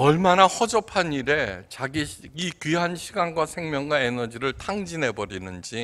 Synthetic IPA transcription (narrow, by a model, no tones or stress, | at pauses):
ʌɭmanahʌd͡ʑʌpʰaniɾe̞t͡ɕaɡiɡikɥiɦanɕʰiɡanɡwasʰe̞ŋmjʌŋɡwaenʌd͡ʑiɾɯɭtʰaŋd͡ʑine̞bʌɾinɯnd͡ʑi